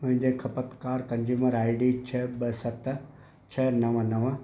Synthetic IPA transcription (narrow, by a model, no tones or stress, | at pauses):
mʊ̃ɦɪ̃ɲd͡ʑekʰɐpət̪kaːɾkɐ̃ɲd͡ʑuːməɾaːiɖit͡ɕʰeɓəsɐt̪ | t͡ɕʰɐnɐʋənɐʋə